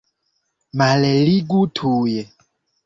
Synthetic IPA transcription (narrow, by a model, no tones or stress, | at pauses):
malɛliɡutʰuːjɛ